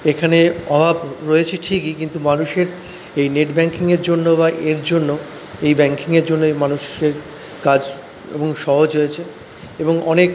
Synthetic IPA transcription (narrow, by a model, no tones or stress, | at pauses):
ekʰaneɔbʱabɾojet͡ɕʰeʈʰikikint̪umanuʃeɾ | ejneʈbɛŋkiŋeɾd͡ʑonːobaʔeɾd͡ʑonːo | ejbɛŋkiŋeɾd͡ʑonːoejmanuʃeɾ | kad͡ʑ | ḛboŋʃɔɦod͡ʑɦojet͡ɕʰe | eboŋɔnek